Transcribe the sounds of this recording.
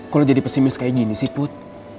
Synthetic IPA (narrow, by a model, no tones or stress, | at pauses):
kalod͡ʒadipəsimɪskajiɡinisipʊt̪̚